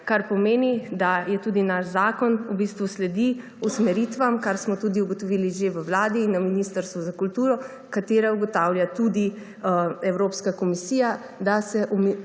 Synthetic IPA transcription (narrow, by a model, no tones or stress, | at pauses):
kaɾpɔmeːnid̪ajɛt̪uːd̪inaʃzaːkɔnubiːst̪ʋuslɛd̪i | usmɛɾiːt̪ʋamkaɾsmɔt̪uːd̪iuɡɔt̪ɔʋiliʒeʋəwlaːd̪iːnːaminiːst̪əɾst̪ʋuzakult̪uːɾɔ | kat̪eːɾauɡɔt̪aːwljat̪ud̪i | ɛwɾoːpskakɔmisiːja | d̪asɛʔum